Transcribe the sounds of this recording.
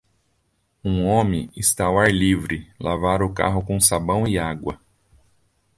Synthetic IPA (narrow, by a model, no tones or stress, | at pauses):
ũõmẽɪst̪awaɾlivɾɪlavaɾʊka̰ɦʊkõw̃sabɐ̃w̃iaɡwɐ̰